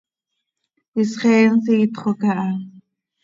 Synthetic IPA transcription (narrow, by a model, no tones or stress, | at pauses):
wisχeːnsit̪χokaʔa